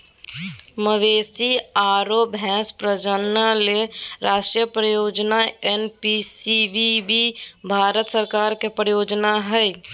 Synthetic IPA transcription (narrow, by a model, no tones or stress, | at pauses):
məʋesiaːɾobʱɛ̃ːspɾəd͡ʒənəleɾaːʃʈɾijəpɾəjoːd͡ʒnaenpisibibibʱaɾət̪səɾkaɾkepɾəjoːd͡ʒnaɦəj